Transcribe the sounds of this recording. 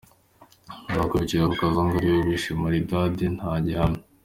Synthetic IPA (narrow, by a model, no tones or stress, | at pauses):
bakoɾiciɾaβukazaŋɡaɾijoβiʃimaɾidadinhaːɟehano